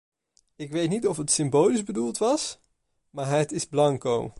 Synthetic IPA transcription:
ɪkʋejtnitɔfətsɪmbowlizbədulˠtʋɑs | maːɹɦətɪzblɑŋko̰w

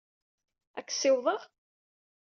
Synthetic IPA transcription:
ækːsɪwðˤəʁ

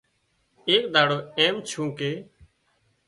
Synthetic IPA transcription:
eːk̚d̪ʱaːɽoːeːmt͡ʃʰũːkeː

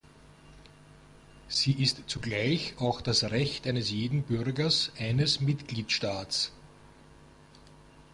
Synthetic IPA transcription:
z̥iːʔɪstt͡suɡlæɪçaʊxd̥asʁɛçtʔæɪnəsjeːdn̩bʏʁɡɐsʔæɪnəsmɪtɡ̥liːtʃtaːts

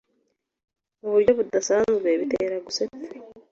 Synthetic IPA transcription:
oβuɾɟo̞βudasanuβeːβiteɾaɡuset͡se̥

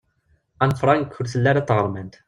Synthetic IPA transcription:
ænfɾˤɑŋkːʊɾθəlːæɾæt̪ːʁəɾˤmænt̪

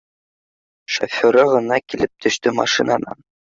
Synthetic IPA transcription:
ʃo̰fʲoɾɑʁɤ̆nɑkilɘp̚t̪ʰɵ̆ʃt̪ɵmɑ̰ʃinɑnɑ̰n

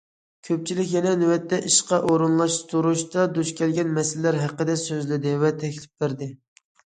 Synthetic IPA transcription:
kʲʰøp̚t͡ʃʰilɪkʲjɛnɛnywɛt̪ːɛʔiʃqɑʔoɾunlˠɑʃt̪ʰuɾuʃt̪ɑd̪uʃkʲʰɛlɡʲɛnmɛsɪllːæɾɦæqəd̪ɛsøzlɪd̪ɪvɛt̪ʰɛkʲlɪp̚bɪɾd̪ɪ

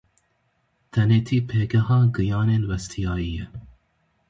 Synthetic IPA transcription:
t̪ʰɛneːt̪ʰiːpʰeːɡɛɦɑːɡɨjɑːneːnwɛst̪ʰijɑːiːjɛ

